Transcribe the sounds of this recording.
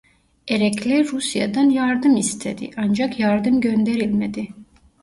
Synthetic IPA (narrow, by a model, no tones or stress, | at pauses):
eɾɛclʲɛɾusja̰d̪anjaɾd̪ɯmist̪ʰed̪ḭʔand͡ʒakjaɾd̪ɯmɟønd̪e̞ɾilʲmed̪ɪ